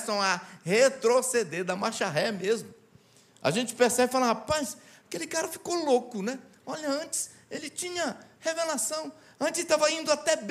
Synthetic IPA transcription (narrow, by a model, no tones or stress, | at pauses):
sɐ̃w̃ɐhet̪ɾosed̪eɾd̪ɐmaʃaɦɛmezmʊ | a̰ʒẽnt͡ʃɪ̥peɾsɛbɪfalaɦapasakelɪkaɾɐfi̥kolokʊnɛ | ɔʎɐɐ̃nt͡ʃɪ̥s | elɪt͡ʃĩɲɐhevelasɐ̃w̃ | ɐ̃nt͡ʃɪsɪt̪avɐĩnd̪ʊat̪ɛb